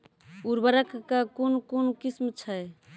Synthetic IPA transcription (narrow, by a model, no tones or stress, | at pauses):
uɾbəɾəkːakonkonokismt͡ʃʰəj